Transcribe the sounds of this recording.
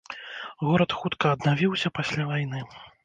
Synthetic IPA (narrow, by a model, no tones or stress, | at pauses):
ɣɔɾɐt̪xut̪kɐːd̪navʲiwsʲɐpasʲlʲavajnɨ